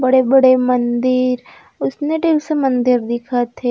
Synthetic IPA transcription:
bɐɽebɐɽemɐ̃nd̪ɪɾ | ʊsneɖeːlsemɐ̃nd̪ɪɾd̪ɪkʰat̪ʰe

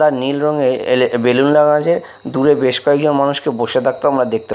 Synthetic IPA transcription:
aɾnilɾoŋebelunlaɡãd͡ʑe | d̪uɾebeʃkɔek̚d͡ʑonmanuʃkeboʃet̪ʰak̚t̪oamɾad̪ek̚t̪e

